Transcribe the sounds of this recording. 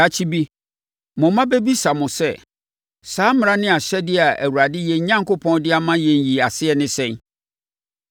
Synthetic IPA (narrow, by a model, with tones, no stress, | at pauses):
a˨t͡ɕʰi˦bi˦ | mʊ̃˨mã˦bɛ˦bi˦sa˨mʊ̃˨sɛ˦ | saː˨˦m˦ɾã˦nɪ̃˦a˨ɕɛ˦dɪ˦a˨æ̰˨wu˨ɾa˨dɪ˦jɛ˨ɲ̩˦ɲã˦ŋkʊ˦pʰɔ̃˦ndɪ˦a˨mã˦jɛ̃˨n˨ji˨a˨sɪ˦ɛ˨nɪ̃˦sɛ̃˦˨n